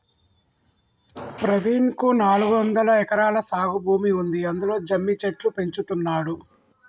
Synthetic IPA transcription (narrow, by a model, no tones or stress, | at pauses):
pɾɐʋiːnkunaːluɡuʋɐnd̪ɐlɐɛkɐɾaːlɐsaːɡubʱuːmiund̪iɐnd̪ulo̞ːd͡ʒɐmːit͡ʃeʈlupe̞ɲt͡ʃut̪unːaːɽu